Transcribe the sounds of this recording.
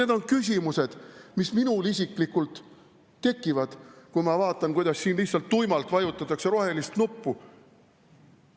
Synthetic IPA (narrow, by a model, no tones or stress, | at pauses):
e̞d̪o̞nkys̬ʲimuse̞d̪̥misminulisʲikˑlikult̪ː | e̞kːˑivɑd̪̥kujmɑvɑːt̪ːˑɑnkujd̪̥ɑsːiːnlihtsɑlt̪ːujmɑlt̪ˑvɑjut̪ːˑɑt̪ːˑɑkse̞ɾo̞ɦe̞list̪nupːu